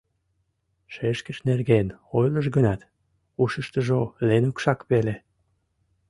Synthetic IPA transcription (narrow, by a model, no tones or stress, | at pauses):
ʃeʃkəʃnerɣenojləʒɡənɑt̪ | uʃəʃt̪əʒolenukʃɑkpele